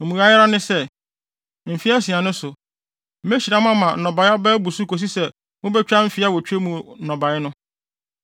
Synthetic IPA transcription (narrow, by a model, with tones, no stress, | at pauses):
mũ˨a˨˦jɪ˦ɾa˦nɪ̃˦sɛ˦˨ | m̩˨fi˦a˦si˨a˨nʊ̃˦sʊ˨ | m̩˦me˦ɕi˨ɾa˦m̃˦ã˦mã˨nɔ̃˨ba˨˦ɪ˦a˦bɛː˦bu˨su˦ko˨s̬i˦sɛ˨ | mʊ̃˦bɛ˦t͡ɕᶣa˦m̩˦fi˦a˦wɔ˨t͡ɕᶣe˦mũ˨˦nɔ̃˨ba˨ɪ˦nʊ̃˦